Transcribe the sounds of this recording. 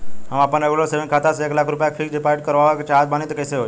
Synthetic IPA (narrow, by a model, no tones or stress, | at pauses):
ɦamapəneɡloseʋẽnkʰat̪aseːklakʰɾupjakfʰikɖipaɾʈkəɾʋaʋakt͡ʃaɦt̪̚banĩt̪kəjseɦo